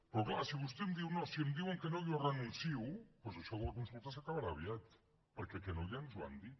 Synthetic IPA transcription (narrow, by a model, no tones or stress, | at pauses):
peɾoklaɾsiβust̪emd̪iwnosiemd̪iweŋkenoʎorenũnθiwpesoʃoɣokunspoɾt̪asakaβaɾaβjat̪ | paɾkekenoʎanzwa̰nd̪i